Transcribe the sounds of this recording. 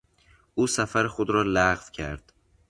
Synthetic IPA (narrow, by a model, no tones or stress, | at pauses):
ʔuːsæfæɾexod̪ɾɒːlæʁvcʰæɾd̪̥